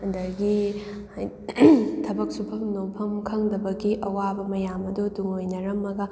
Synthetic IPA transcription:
ɐndɐɾɡi | tʰɐbɐk̚supʰɐmnopʰɐmkʰɐŋdɐbɐɡiʔɐwabɐmɐjamɐduduŋojnɐɾɐmːɐɡɐ

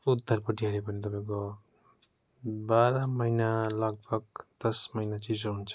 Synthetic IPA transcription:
ud̪ʱːʌrpʌʈiaɾepʌnit̪ʌpaĩko | baɾamʌjnalʌɡ̚bʱʌɡ̚d̪̥ʌsmʌjnat͡sid͡zoɦunt͡sʰʌ̥

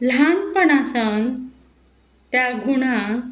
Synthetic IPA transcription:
l̤anpəɳasən | t̪jaɡʱuɽ̃a

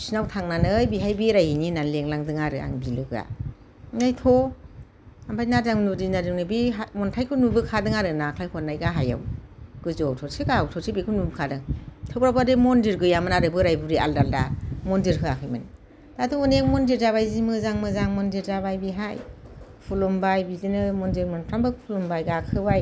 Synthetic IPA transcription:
sinawtʰaŋnanɯjbiɦajbiɾajhininanleŋlaŋdɯŋaɾɯa̰ŋbilɯɡɯa̰ | najtʰɔ | ambʰajnazaŋnudinadɯŋnɯbiɦamɔntʰajkʰɯnubɯkʰadɯŋaɾɯnakʰajkʰɔnːajɡaɦaja̰wɡ̥ɯzɔtʰɔɾsiɡawtʰɔɾsibikʰɯnubɯkʰadɯŋtʰɯbɾabademɔndiɾɡɯjamɯnaɾɯbɯɾajbuɾia̰ldalda̰mɔndiɾɦʰɯakʰɯjmɯn | tatʰuɔneŋmɔndiɾzaβajzimɯzaŋmɯzaŋmɔndiɾzaβajbiɦajpʰulɔmbajbidinɯmɔndiɾmɯnpʰɾambɯpʰulɔmbajɡakʰɯbaj

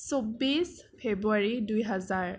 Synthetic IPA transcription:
sobis | pʰebuaɹidujɦazaɹ

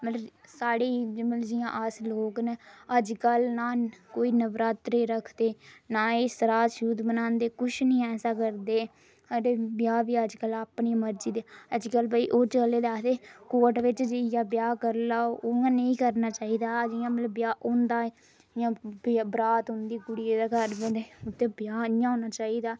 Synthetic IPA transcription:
mət̪ləbsaːɽiːmd͡ʒɪjãːʔəsloːknəəd͡ʒkəlnaːkoːiːnəʋɾaːt̪ɾeːɾəkʰd̪eːnaːeːsəɾaːʃuːd̪bənãːnd̪eːkʊʃʰnĩːɛːsaːkəɾd̪eː | aɾeːbjaːbiːəd͡ʒkəlaːpɳiːməɾd͡ʒiːd̪eːəd͡ʒkəlbəiːʔoːt͡ʃəleːd̪aːt̪eːkoːʈʋɪt͡ʃd͡ʒɪjãːbjaːkəɾlaːoːãːnəĩːkəɾnaːt͡ʃaːiːd̪aːəd͡ʒɪjãːmət̪ləbjaːʔʊnd̪aːe | ɪjãːbbɾaːt̪ɦʊ̃nd̪iːkʊɽieːd̪aːkəɾbed̪eːʊt̪ːeːbjaːɪjãːoːnaːt͡ʃaːiːd̪aː

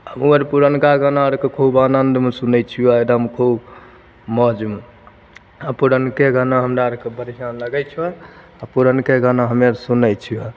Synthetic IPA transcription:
əmuəɾpuɾənkaɡənaəɾkekʰobanənd̪mesunɛt͡ʃʰijɔeɾəmkʰob | mɔd͡ʒme | apuɾənkeɡənaɦəmɾaəɾkebəɾiɦanləɡɛt͡ʃʰɛ | apuɾənkeɡənaɦəmeɾsunɛjt͡ʃʰijɔ

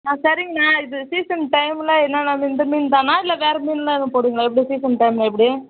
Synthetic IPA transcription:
nãːsɐɾɪŋɡɐnaːɪðɯsiːsɐnʈɐɪmlɐɛnːɐnaːmɪnd̪ɯmiːnt̪ãːnaːɪlːɐʋeːɾɛmiːnlanːɯ̃poːɽiːŋɡɐɭãːɛpːɐɽisiːsɐnʈɐɪmlɐɛp̬ːɽi

